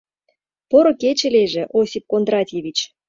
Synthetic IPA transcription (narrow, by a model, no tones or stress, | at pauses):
poɾoket͡ɕĕleʒĕʔosʲip̚kond̪rɑtʲeβʲit͡ɕ